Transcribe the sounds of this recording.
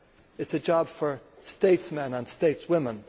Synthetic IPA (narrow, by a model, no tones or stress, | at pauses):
ɨtsɨd͡ʒɑb̥fə˞steɪtsmɛ̃nə̃nsteɪtswɪ̃mə̃n